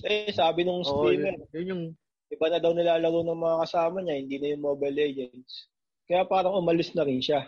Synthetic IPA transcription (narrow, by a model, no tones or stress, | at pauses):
ɛsaːbɪnʊŋsɾiːmɛɾjʊʊ | ʔɪbɐnɐd̪ɐwnɪlaːlɐɾonɐŋmɐŋakɐsaːmɐɲɐhɪnd̪iːnɐjʊŋmoːbɐjlɛd͡ʒɛnt̪s | kɐjapaːɾɐŋʔʊmɐlɪsnɐɾɪnʃa